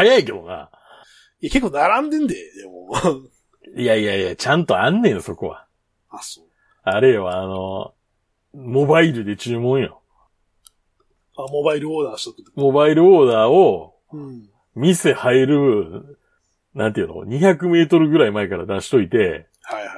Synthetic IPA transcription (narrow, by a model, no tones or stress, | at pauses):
hajaike̞d̪o̞ŋa̰ | ijakekːonaɾãnd̪ẽnd̪ed̪emo | ijaijajat͡ɕãnt̪o̞anːẽ̞ɰ̃so̞ko̞̰βa̰ | aso | aɾe̞βaːno̞ | mo̞baiɾɯ̟d̪e̞t͡ɕɨːmõ̞ɰ̃jo̰ | amobaiɾɯ̟oːd̪aɕt̪omo̞baiɾɯ̟oːd̪aːo | mʲise̞haeɾɯ̟ | nãnt̪̬ejɯ̟no̰ɲ̟içakɯ̟me̞ːt̪o̞ɾɯ̟ɡɯ̟ɾaimaekaɾad̪aɕi̥t̪o̞it̪e̞ | haha